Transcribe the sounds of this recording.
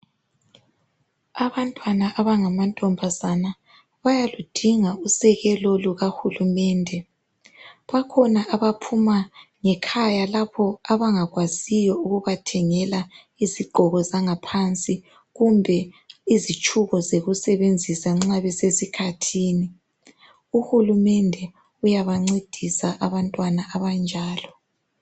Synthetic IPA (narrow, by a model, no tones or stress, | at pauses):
aβantʼwanaʔaβaŋamantʼɔmbʱazana | βajalud̥ʱiŋausɛɣɛlɔluɣaxulumɛːndʱɛ | βakʰɔnaʔaβapʰumaŋɛkʰajalapʰɔaβaŋaɣwazijɔuɣuβatʰɛŋɛla | iziɡ͡ǃʱɔɣɔzaŋapʰant͡sʼi | ɣumbʱɛizit͡ʃʼʰuɣɔzeɣusɛβend͡zʱisaŋ͡ǁaβɛsesikʰatʰiːni | uhulumɛndʱɛ | ujaβaŋ͡ǀed̥ʱisaʔaβantʼwanaʔaβand͡ʒʱaːlɔ